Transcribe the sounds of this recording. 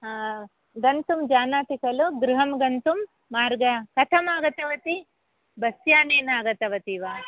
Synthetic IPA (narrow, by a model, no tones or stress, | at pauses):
ɡɐnt̪umd͡ʒaːnaːt̪ikɐluɡɾuɦɐmɡɐnt̪umː | aːɾɡɐkɐt̪ʰɐmaːɡɐt̪ɐʋɐt̪i | bɐsjaːneːnaːɡɐt̪ɐʋɐt̪iʋaː